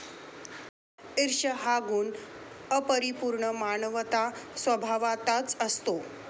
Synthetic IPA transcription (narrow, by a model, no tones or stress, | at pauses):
iɾʂəɦaɡuːn | əpəɾipuɾɳəmaɳəʋət̪asʋəbʱaʋat̪at͡səst̪o